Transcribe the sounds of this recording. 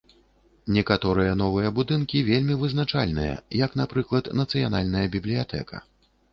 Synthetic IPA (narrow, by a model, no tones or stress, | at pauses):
nʲɛkat̪ɔɾɨjɐnɔvɨjɐbud̪ɨnkʲivʲelʲmʲivɨznat͡ʂalʲnɨ̰jɐ̰jɐkn̪apɾɨklˠɐt̪nɐt̪sɨjanalʲnɐjɐbʲiblʲijat̪ʰɛ̰kɐ̰